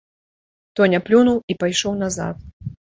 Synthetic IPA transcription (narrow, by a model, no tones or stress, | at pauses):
t̪ɔnʲaplʲunuwipajʂɔwnaza̰t̪̚